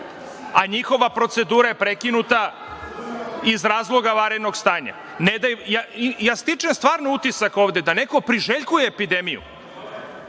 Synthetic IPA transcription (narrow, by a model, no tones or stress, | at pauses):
aɲixo̞ʋapɾo̞t̪se̞d̪uːɾajepɾekinut̪a | izɾaːzlˠo̞ɡaʋaɾed̪no̞ɡst̪aːɲa̰ | ned̪ajjajaːst̪it͡ʂemst̪ʋaːɾnout̪isako̞ːʋd̪e̞d̪ane̞ko̞pɾiʒeʎkujeːpid̪emijṵ